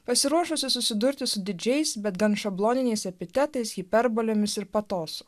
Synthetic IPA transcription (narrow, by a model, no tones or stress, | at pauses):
pɐsʲɪɾuɔʃosʲʊsʊsʲɪd̪ʊɾʲt̪ʲɪsʊd̪ʲɪd͡ʒʲɛɪsbʲɛt̪ɡɐntʃɐblˠoːnʲɪnʲɛɪsɛpʲɪt̪ʲɛt̪ɐɪsɣʲɪpʲɛɾbolʲoːmʲɪsɪɾpɐt̪oːsʊ